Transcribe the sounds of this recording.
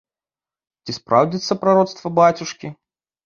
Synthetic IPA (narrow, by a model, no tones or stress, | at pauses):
t͡sʲispɾawd͡zʲit̪sɐpɾaɾɔt̪st̪vɐbat͡sʲuʂkʲi